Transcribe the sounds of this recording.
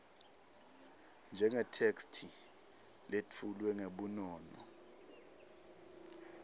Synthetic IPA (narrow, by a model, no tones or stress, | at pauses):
nd͡ʒʱɛŋɛtʰekstʰi | let͡fʰulwɛŋeɓunɔːnɔ̰